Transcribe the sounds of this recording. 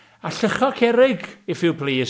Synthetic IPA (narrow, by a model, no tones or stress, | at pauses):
aɬəχɔkʰɛɾɪɡɪfɪwpʰliːs